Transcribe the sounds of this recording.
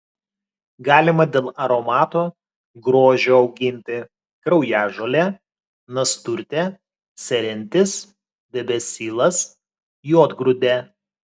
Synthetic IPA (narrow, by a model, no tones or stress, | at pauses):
ɡɑːlʲɪmɐd̪ʲeːlˠɐɾomɑːt̪oː | ɡɾoːʒʲoːɒʊɡʲɪnʲt̪ʲɪ | kɾɐʊjæːʒoːlʲɛ | nɐst̪ʊɾʲt̪ʲɛ | sʲɛɾʲɛnʲt̪ʲɪs | d̪ʲɛbʲɛsʲiːlˠɐs | joːd̪ɡɾʊd̪ʲɛ